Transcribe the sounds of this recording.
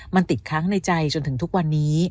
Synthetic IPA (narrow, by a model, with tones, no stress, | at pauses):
ma˧nt̪i˨˩t̪̚kʰaː˦˥ŋna˧jt͡ɕa˧jt͡ɕo˧nt̪ʰɯ˩˦ŋt̪ʰu˦˥k̚wa˧nːiː˦˥